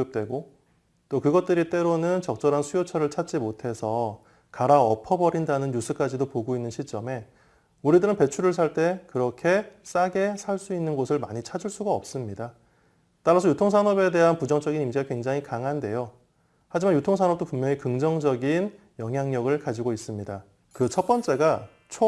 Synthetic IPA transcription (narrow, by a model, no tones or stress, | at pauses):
ɯp̚t͈we̞ɡo | t͈okɯɡʌt̚t͈ɯɾit͈e̞ɾonɯnt͡ɕʌk̚t͡ɕ͈ʌɾɦansʰujot͡ɕʰʌɾɯɭt͡ɕʰat̚t͡ɕ͈imotʰe̞sʰʌ | kaɾaʌpʰʌbʌɾindanɯnjusʰɯk͈ad͡ʑidopoɡoinːɯnɕʰit͡ɕ͈ʌme̞ | uɾidɯɾɯnpe̞t͡ɕʰuɾɯɭs̬ʰaɭt͈e̞kɯɾʌkʰe̞s͈aɡe̞sʰaɭs͈uinːɯnɡosʰɯɭma̰ɲit͡ɕʰad͡ʑuɭs͈uɡaʌp̚s͈ɯmɲida | t͈aɾasʰʌjutʰoŋs̬ʰanʌbe̞de̞ɦanpud͡ʑʌŋt͡ɕ͈ʌɡinimɕʰiɡakwe̞ŋd͡ʑaŋɦikaŋɦande̞jo | had͡ʑimanjutʰoŋsʰanʌp̚t͈opumɲjʌŋikɯŋd͡ʑʌŋd͡ʑʌɡin | jʌŋɦjaŋɲʌɡɯɭkad͡ʑiɡois͈ɯmɲida | kɯt͡ɕʰʌp͈ʌnt͡ɕ͈e̞ɡa | t͡ɕʰo